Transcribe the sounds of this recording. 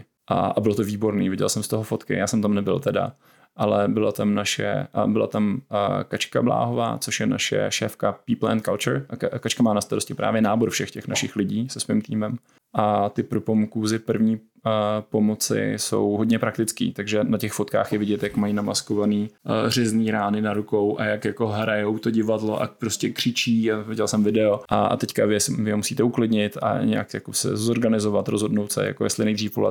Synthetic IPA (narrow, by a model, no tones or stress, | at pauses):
ʔa̰ʔabɪlot̪oviːbo̞ɾnḭːvɪɟɛ̰lsɛmst̪oɦofot̪kɪ̰jaːsɛmt̪amnɛbɪ̰lt̪ɛda̰ | ʔalɛbɪlat̪amnaʃɛ̰bɪla̰t̪amkat͡ʃka̰bla̰ːɦova̰ːt͡soʃjɛnaʃɛ̰ʃɛːfkapiːplɛ̰nt̪̚kalt͡ʃʊɾʔakat͡ʃkamaːnast̪aɾoscɪpɾʔa̰ːvjɛnaːboɾfʃɛxcɛxnaʃɪxlɪɟiːsɛsvimt̪iːmɛm | ʔat̪ɪpɾopomkuːzɪpr̩vɲiː | po̞mot͡sɪ̰so̞̰wɦo̞dɲɛpɾak̚t̪ɪt͡skḭːt̪aɡʒɛnacɛxfot̪ka̰ːxjɛvɪɟɛt̪jakmajinamaskovaniːr̝ɪzniːɾaːnɪnaɾuko̞wʔajakjako̞ɦɾajowt̪o̞ɟɪvadlo̞ʔa̰pɾoscɛkr̝̥ɪt͡ʃiːavɪɟɛlsɛmvɪdɛoʔa̰t̪ɛckavɪɛsvɪɦomusiːt̪ɛuklɪdɲɪt̪a̰ɲɛ̰a̰kjakosɛ̰zoɾɡanɪzovat̪ɾozɦo̞dnowt̪sɛ̰ja̰kojɛstlɪnɛjdriːfpo̰lɛ̰